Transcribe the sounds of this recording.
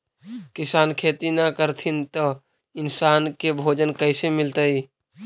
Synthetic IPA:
kɪsaːnkʰeːt̪inakəɾt̪ʰɪnt̪o | ɪnsaːnkebʱoːd͡ʒənkəɪsemɪlt̪əi

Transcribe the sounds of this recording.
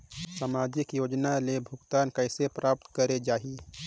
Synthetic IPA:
samaːd͡ʒɪkjoːd͡ʒnalebʱʊɡt̪aːnkəɪsepɾʔaːp̚t̪kəɾed͡ʒaːɦi

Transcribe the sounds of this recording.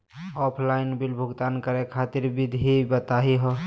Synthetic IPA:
ɔpʰlaɪnbilbʱuɡt̪ankəɾekʰat̪iɾbid̪ʱibət̪aɦiɦɔ

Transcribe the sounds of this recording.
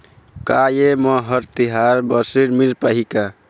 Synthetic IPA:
kajeməɦəɾt̪iɦaɾbəsiɽmiɾpaɦika

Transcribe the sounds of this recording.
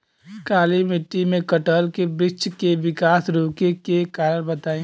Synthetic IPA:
kaːlimɪʈːimẽkɐʈəːlkebɾɪt͡ʃkeʋɪkaːsɾoːkekekaːɾəɾbɐt̪aːĩː

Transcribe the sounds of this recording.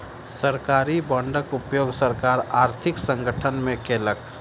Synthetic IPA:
səɾkaːɾibɔ̃ɳɖəkʊpjoːɡsəɾkaːɾaːɾt̪ʰɪksə̃ŋɡəʈʰənmẽkeːlək

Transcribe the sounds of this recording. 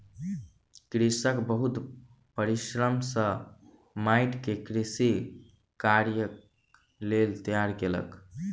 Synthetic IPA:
kɾisəkbəɦut̪ | pəɾiʃɾəmsə | maɪʈkekɾisi | kaɾjək | lelt̪əjaɾkelə̰k

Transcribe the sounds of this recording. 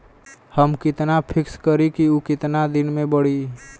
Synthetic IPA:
həmkɪt̪napʰɪkskəɾikiukɪt̪nad̪ɪnmẽbəɽi

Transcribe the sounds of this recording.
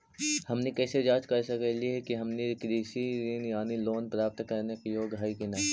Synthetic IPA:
hɐmnekɛːsed͡ʒaːd͡ʒkɐɾsɐkəliɦɛkiɦɐmnekɾiːsiɾinjaːniloːnpɾaːp̚t̪kɐɾnekejoːɡɦaːikinaː

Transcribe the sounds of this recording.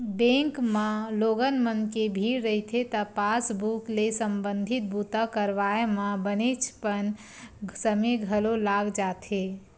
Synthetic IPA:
bẽŋkmãloːɡənmənkebʱiɾːəɦit̪ʰet̪əpasbuklesəmbə̃nd̪ʱit̪̚but̪akəɾʋajemãbənet͡ʃʰpən | səmeɡʱəlolaːɡd͡ʒaːt̪ʰe

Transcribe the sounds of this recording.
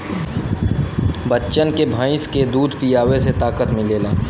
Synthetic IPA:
bətːʃənkebʱãːɪ̃sked̪uːd̪ʱpijaːweset̪aːkət̪mɪ̃leːlaː

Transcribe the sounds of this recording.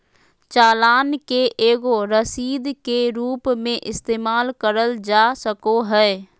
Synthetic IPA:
t͡ʃaːlaːnkeʔeːɡoɾəsiːd̪keɾuːpmẽʔɪst̪eːmaːlkəɾəld͡ʒaːsəkoɦɛː

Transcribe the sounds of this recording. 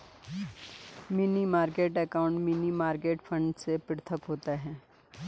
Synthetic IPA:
minimaːɾkeːʈɛkaːʊ̃ɳʈminimaːɾkeːʈfʰə̃ɳɖsepɪɽt̪ʰəkɦoːt̪aɦɛː

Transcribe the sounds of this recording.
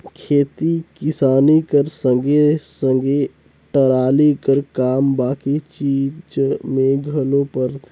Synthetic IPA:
kʰeːt̪ikɪsaːnikəɾsəŋɡesə̃ŋɡe | ʈəɾaːlikəɾkaːmbaːkit͡ʃiːd͡ʒmẽɡʱəlopəɾt̪ʰ

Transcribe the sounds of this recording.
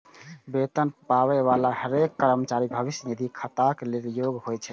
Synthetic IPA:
bet̪ənpawɛʋalahəɾekːəɾəmət͡ʃaɾibʱəbisjənid̪ʱikʰət̪akeleljoɡɦojt͡ʃʰɛ

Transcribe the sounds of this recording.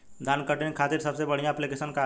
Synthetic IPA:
d̪ʱankəʈinkʰat̪iɾsəbsebəɽ̤ijãːplikesənka

